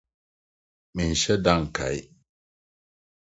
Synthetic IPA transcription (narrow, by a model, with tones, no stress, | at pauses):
mi˨n̩˨ʃɛ˦da˦˨ŋ˨kʰa̰˨j